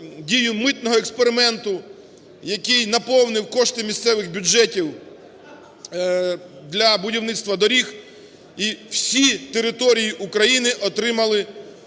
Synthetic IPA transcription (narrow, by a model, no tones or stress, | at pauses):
dʲijʊmɪt̪nɔɦɔekspeɾɪmɛnt̪ʊ | jɐkɪjnɐpɔwnɪwkɔʃt̪ɪmʲist̪sɛʋɪɣbʲʊd͡ʒɛtʲiw | d̪lʲɐbʊdʲiwnɪt̪st̪ʋɐd̪ɔɾʲix | iw̥sʲit̪eɾɪt̪ɔɾʲijiʔukɾɐjinɪʔɔt̪ɾɪmɐlˠɪ